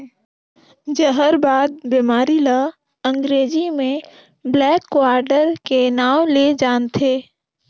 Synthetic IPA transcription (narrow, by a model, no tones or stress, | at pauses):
d͡ʒəɦəɾbaːd̪̚bimaːɾila | ə̃ŋɡɾeːd͡ʒimẽ | blɛːkːwaːɾɖəɾkenaːwled͡ʒaːnt̪ʰeː